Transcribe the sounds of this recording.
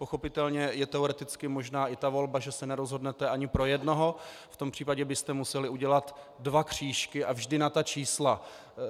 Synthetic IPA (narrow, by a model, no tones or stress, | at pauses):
poxo̞pɪt̪ɛlɲɛjɛt̪ɛoɾɛt̪ɪt͡skɪmo̞ʒnaːʔɪt̪avo̞lbaʒɛsɛnɛɾozɦo̞dnɛt̪ɛʔaɲɪpɾo̞jɛdno̞ɦo̞ | ft̪o̞mpr̥iːpaɟɛbɪst̪ɛmusɛlɪuɟɛlat̪ | dvakr̝̥iːʃkɪʔavʒdɪnat̪at͡ʃiːsla